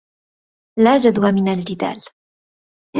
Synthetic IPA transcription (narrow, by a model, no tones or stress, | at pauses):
laːd͡ʒad̪wamɪnald͡ʒɪd̪a̰ːl